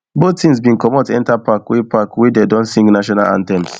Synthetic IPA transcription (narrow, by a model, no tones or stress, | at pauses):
botĩns̬bĩŋkɔmotɛ̃ntapakwepakwidedɔ̃nsĩŋɡnaʃɔna̰lã̰ntɛ̃ms